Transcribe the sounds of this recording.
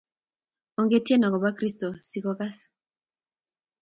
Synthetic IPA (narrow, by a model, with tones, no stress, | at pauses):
o˨ŋɡe˦tje˦nɔ˨kɔ˨ba˦kɾi˦sto˨si˨kɔ˦ka˦s